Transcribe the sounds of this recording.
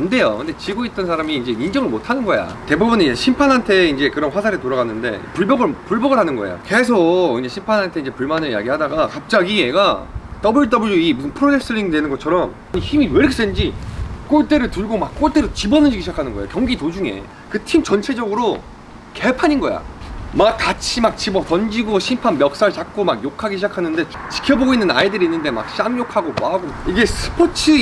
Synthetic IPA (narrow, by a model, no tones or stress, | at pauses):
ande̞jokɯnde̞t͡ɕiɡoit̚t͈ʌnsʰaɾamiːnd͡ʑe̞ind͡ʑʌŋɯɭmotʰanɯnɡʌja̰te̞bubuneid͡ʑeɕʰimpʰanɦantʰe̞ind͡ʑe̞kɯɾʌnɸwasʰaɾetoɾaɣanːɯnde̞̰puɭbʌɡɯɭpuɭbʌɡɯɭɦanɯnɡʌḛjo̰ke̞sʰokind͡ʑeɕʰimpʰanɦantʰe̞iɲd͡ʑe̞puɭmanɯɭija̰ɡihadaɡakap̚t͡ɕ͈aɡie̞ɡat͈ʌbɯɭt͈ʌbɯɭuimusʰɯnpʰɯɾotʰek̚s͈ɯɭːiŋidwe̞nɯnɡʌt͡ɕʰʌɾʌm | ɲiçimiweɾks͈end͡ʑik͈oɭt͈e̞ɾɯɭtɯɭɡomak͈oɭt͈e̞ɾot͡ɕibʌnɯnd͡ʑiɡiɕʰid͡ʑakʰanɯnɡʌḛjo̰kjʌŋɡitod͡ʑuŋe̞̰ | kɯtʰimt͡ɕʌnt͡ɕʰe̞d͡ʑʌɡɯɾo | ke̞pʰaɲinɡʌ̰ja̰mak͈ːat͡ɕʰimak̚t͡ɕibʌtʌnd͡ʑiɡoɕʰimpʰanmjʌk̚s͈aɭt͡ɕak̚k͈omakjokʰaɡiɕʰid͡ʑakʰanɯnde̞ | t͡ɕi̥kʰjʌboɡoinːɯna̰idɯɾiːnːɯnde̞ma̰k̚ɕ͈amɲokʰaɡopaɡoiɡe̞sʰɯ̥pʰot͡ɕʰɯ